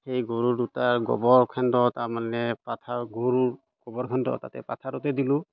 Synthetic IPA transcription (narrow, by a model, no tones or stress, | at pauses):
xejɡoɹudutaɹɡɔ̰bɔɹkʰandɔtaɹmanɛpatʰaɡoɹuɹ | ɡ̥ɔbɔɹkʰandɔ̰ta̰tɛ̰pa̰tʰaɾɔtɛdilʊ